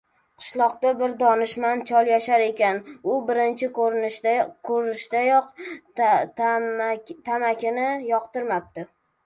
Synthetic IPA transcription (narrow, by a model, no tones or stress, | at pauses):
qʰɨ̥ʃlˠɒqd̪abɪɾd̪ɒnɪʃmant͡ʃʰɒlˠjaʃaɾe̞kʲanʊbɪɾɪnt͡ʃʰɪk | kʰɵɾɪʃd̪a | t̪ʰamakʲɪnɪjɒqt̪ɪɾmap̚t̪ɪ